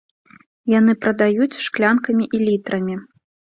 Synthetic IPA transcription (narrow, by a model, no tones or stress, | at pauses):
jan̪ɨpɾɐd̪ajut͡sʲʂklʲankɐmʲiʔilʲit̪ɾɐmʲi